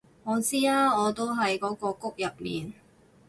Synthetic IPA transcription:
ŋɔː˨˧t͡siː˥aː˥ŋɔː˨˧t̪o˥wɦɐ˨jkɔː˨˥kɔː˧kʊ˥k̚jɐ˨p̚mḭː˨n

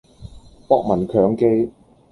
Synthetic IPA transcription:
pɔː˥k̚mɐ˨˩nkʰœː˨˥ŋke˥j

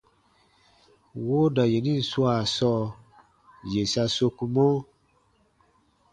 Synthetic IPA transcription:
wo˦da˨je˨nĩ˦n̩˨su˦a˨sɔ˧ | je˨sa˧so˧ku˧mɔ̃˦

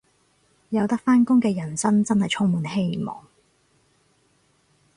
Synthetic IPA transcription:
jɐ˨˧wt̪ɐ˥k̚faː˥nkʊ˥ŋkɛː˧jɐ˨˩nsɐ˥nt͡sɐ˥nhɐ˨jt͡sʰʊ˥ŋmuː˨˧nɦe˥jmɔ̰ː˨ŋ

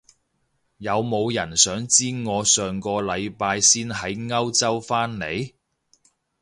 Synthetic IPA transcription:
jɐ˨˧wmo˨˧wjɐ˨˩nsœː˨˥ŋt͡siː˥ŋɔː˨˧sœː˨ŋkɔː˧lɐ˨˧jpaː˧jsiː˥nɦɐ˨˥jŋɐ˥wt͡sɐ˥wfaː˥nne˨˧j

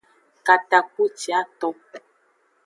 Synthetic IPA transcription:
ka˨ta˨k̚u˦t͡ʃi˨a˦t̪ɔ˦

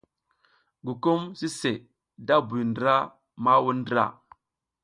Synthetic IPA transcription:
ɡu˨ku˦msi˦se˨ | da˦bu˨ndɾa˦ | ma˦wu˦ndɾa̰˦˨

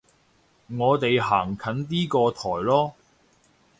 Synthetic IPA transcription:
ŋɔː˨˧t̪e˨jɦaː˨˩ŋkʰɐ˨˥nt̪̬iː˥kɔː˧t̪ʰɔː˨˩jlɔː˥

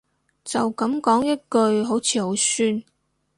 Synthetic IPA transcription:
t͡sɐ˨wkɐ˨˥mkɔː˨˥ŋjɐ˥t̚kɵ˧ɥɦo˨˥wt͡sʰiː˨˧ho˨˧˥wsyː˥n

